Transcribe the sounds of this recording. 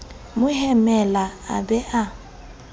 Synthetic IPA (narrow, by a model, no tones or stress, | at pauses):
mʊhɛmɛlaa̰bɛʔa